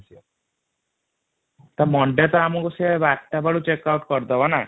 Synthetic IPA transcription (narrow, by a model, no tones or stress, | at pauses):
t̪ɔmɔɳɖet̪ɔamũkusiaebaʈːabaɽut͡ʃekawʈkɔɾd̪ɔbana